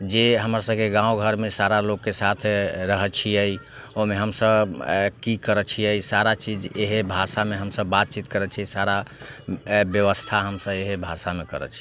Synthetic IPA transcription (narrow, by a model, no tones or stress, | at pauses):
d͡ʒeɦəmɾasəbkeɡãoɡʱəɾmesaɾalokːesat̪ʰɾəɦət͡ʃʰijəj | oɦmeɦəmsəbkikəɾət͡ʃʰijəisaɾat͡ʃid͡ʒeɦebʱasameɦəmsəbːat̪̚t͡ʃit̪kəɾət͡ʃʰisaɾa | bjəʋəst̪ʰaɦəmsəbeɦebʱasamekəɾə̰t͡ʃʰi̥